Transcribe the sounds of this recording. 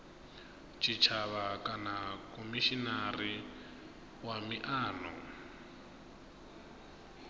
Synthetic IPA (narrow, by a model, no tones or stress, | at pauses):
t͡ʃʰʼit͡ʃʰaβakʼanakʼɔmiʃinari | wamiʔaːnɔ